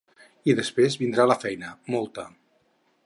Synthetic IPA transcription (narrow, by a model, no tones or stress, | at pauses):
iðəspɾezβind̪ɾaləfɛjnəmɔlˠt̪ə